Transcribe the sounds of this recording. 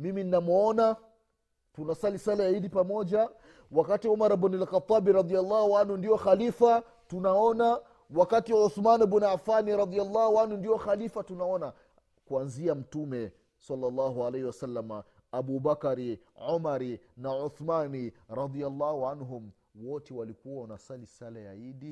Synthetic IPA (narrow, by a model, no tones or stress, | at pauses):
mimininamɔna | tunasalisalajaidipamɔʄa | wakatiɔmaɾabunɛlxat̪ˤːabiɾɑðialːɑhuanhundiɔxalifa | tunaɔna | wakatiwʕuθmanbunafaniɾɑd̪ialːɑhuanhundiɔxalifatunaɔna | kwanziam̩tumɛ | sɑlːalːɑɦualahiwasalːamaː | buːbakaɾi | ʕumaɾinaʕuθmaniɾɑd̪ialːɑhuʕanɦum | wɔtɛwalikuwawanasalisalaja̰idi